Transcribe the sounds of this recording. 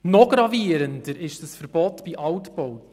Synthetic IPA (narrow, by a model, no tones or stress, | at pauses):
nɔɡ̥ɾɑviəɾəndəɾɪʃd̥əsfəɾb̥ɔtbiʔɑwtbowt